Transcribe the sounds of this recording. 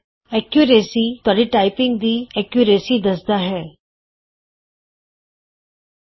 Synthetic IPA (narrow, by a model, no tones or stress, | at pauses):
ɛkjuɾeːsit̪ʊaːɖiʈaːɪpɪ̃ŋɡd̪iːɛkjuɾeːsid̪ɐsd̪aɦɛː